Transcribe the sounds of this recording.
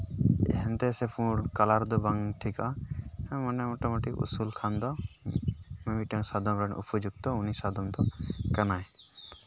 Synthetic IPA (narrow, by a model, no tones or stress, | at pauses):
ɛ̰ɦɛnt̪ɛsepʰũɽkalaɾd̪ɔbaŋʈʰika | mɔnɛmoʈamoʈikṵsulkʰand̪ɔ | mɛmiʈəŋsad̪ɔmɾɛɳṵpɔd͡ʒuɡ̚t̪ɔunisad̪ɔmd̪ɔkənaj